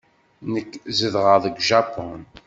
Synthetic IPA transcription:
nəkːzəðʁəðˤəɡʒapon

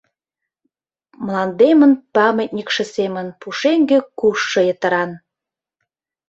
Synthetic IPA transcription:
mlɑnd̪emənpɑmət̚ʲnʲikʃĕsemə̆npuʃeŋɡĕkuʃːɤ̆jət̪ə̆ɾɑn

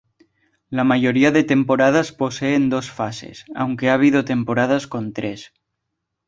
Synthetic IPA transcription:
lamaʝo̞ɾiaðe̞t̪e̞mpo̞ɾað̞aspo̞seːnd̪o̞sfase̞̰sa̰wŋkeaːβ̞ið̞ot̪e̞mpo̞ɾað̞asko̞nt̪ɾes

